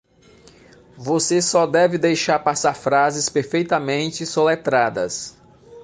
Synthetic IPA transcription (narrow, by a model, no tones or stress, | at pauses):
vosesɔd̪ɛvɪd̪ejʃaɾpasaɾfɾazɪspeɾfejt̪ɐmẽnt͡ʃɪsolet̪ɾad̪ɐ̰s